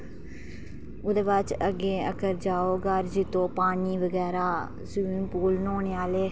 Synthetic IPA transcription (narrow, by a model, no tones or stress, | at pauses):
ʊd̪eːʋaːt͡ʃəɡeːə̰kəɾd͡ʒaːoːɡəɾd͡ʒɪt̪õːpaːɳiːʋəɡɛːɾaː | sʊĩnpuːlnoːɳeːaːleː